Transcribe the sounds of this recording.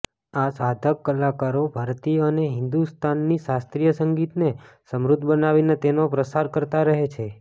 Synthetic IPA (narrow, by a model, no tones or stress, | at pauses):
asad̪ʱəkːəlakaɾobʱaɾt̪ijəəneɦɪ̃nd̪ust̪ʰanːiʃast̪ɾijəsəŋɡit̪nesəmɾud̪ʱbənaʋinet̪enopɾəsaɾkəɾt̪aɾəɦet͡ʃʰe